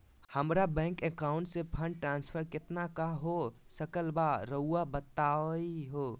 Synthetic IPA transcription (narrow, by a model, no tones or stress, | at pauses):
həmɾabɛ̃ːŋkɛkaːʊ̃ɳʈsepʰə̃ɳɖʈɾãːnspʰəɾkɪt̪nakaɦosəkəlbaɾəuːabət̪aːiɦoː